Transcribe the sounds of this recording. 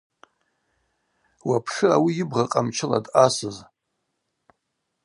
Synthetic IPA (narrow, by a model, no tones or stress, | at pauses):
wapʰʂɨawijɪbʁaqʼamt͡ʃʰɪla̰dasɨz